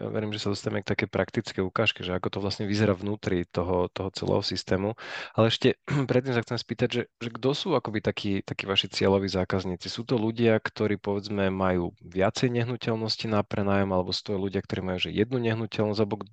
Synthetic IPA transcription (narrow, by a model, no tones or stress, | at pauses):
ja̰ʋɛ̰ɾiːmʒɛsad̪ɔst̪aaɛmɛk̚t̪akɛjpɾakt̪it͡skɛjukaːʃkɛʒɛakɔt̪ɔʋlasɲɛʋizɛɾaːvnuːt̪ɾit̪ɔɦɔt̪ɔɦɔt͡sɛ̰lɛ̰ːɦɔsist̪ɛːmualɛɛʃcɛpɾɛt̪ːiːmsaxt͡sɛmɛspiːt̪aɟʒɛʒɛɡd̪ɔsuːakɔbit̪akʰiːt̪akiːʋaʃit͡sɪɛlɔʋiːzaːkazɲiːt͡sisuːt̪ɔluɟɪakt̪ɔɾiːpɔʋɛd͡zmɛmajuːʋɪat͡sɛjɲɛɦnucɛlnɔscinapɾɛnaːjɔmalɛbɔsu̥ːt̪ɔajluɟɪakt̪ɔɾiːmajuːʒɛjɛd̪nuɲɛɦnucɛlnɔszɟalɛbɔɡ